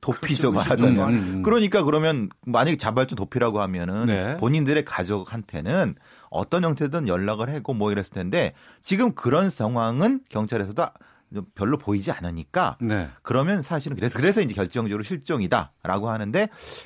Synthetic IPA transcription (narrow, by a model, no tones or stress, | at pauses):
topʰid͡ʑʌmaɾad͡ʑaɲokɯɾʌɲik͈akɯɾʌmjʌnmaɲaɡet͡ɕabaɭt͡ɕ͈omtopʰiɾaɡoɦamjʌnɯnpoɲindɯɾe̞kad͡ʑok̚hantʰe̞̰nɯn | ʌ̰t͈ʌnjʌŋtʰedɯnjʌɭːaɣɯɭhe̞ɡomwʌiɾesʰɯɭtʰende̞t͡ɕiɡɯmkɯɾʌnsʰʌŋɦwaŋɯnkjʌŋt͡ɕʰaɾe̞sʰʌdo | pjʌɭːopoid͡ʑia̰nɯɲik͈a̰nekɯɾʌmjʌnsʰaɕ̬ʰiɾɯnkɯɾesʰʌkɯɾe̞sʰʌind͡ʑe̞kjʌɭt͡ɕ͈ʌŋd͡ʑʌɾoɕʰiɭt͡ɕ͈ʌŋida̰ɾa̰ɡoɦanɯnde̞